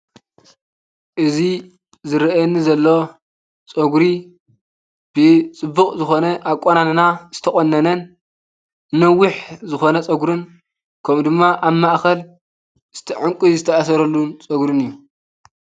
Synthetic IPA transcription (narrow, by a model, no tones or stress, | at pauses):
ʔɨzi | zɨɾɐʔɛnːizɐlːo̞ | t͡sʼɐɡɾi | b̥ɨt͡sʼɨbːɨkʼzɨxo̞nɐʔakʷʼonanɨnazɨt̪ʰɐχʼonːɐnɐn | nːɐwːʊħzɨxo̞nɐt͡sʼɐɡɾɨn | kʰɐmd̪ɨmːaʔaβmaʔxɐl | ɨz̥t̪ʰiʕɨŋkʼuzɨt̪ʰɐʔas̬ɐɾɐlːunt͡sʼɐɡɾɨnɨjːu